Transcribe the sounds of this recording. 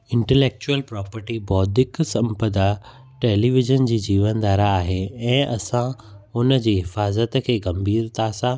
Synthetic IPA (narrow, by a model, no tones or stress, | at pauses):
ɪ̃ɳʈɛleːk̚t͡ɕuəlpɾɔːpəɾʈibɔːd̪ɪksɐ̃mpəd̪a | ʈeːliʋɪʒənd͡ʑiːd͡ʑiːʋənd̪aːɾaːɦeɛ̃ːɐ̰sãʊnə̆d͡ʑiːɦɪfaːzət̪kʰeːɡɐmbʱiːɾt̪ʰasã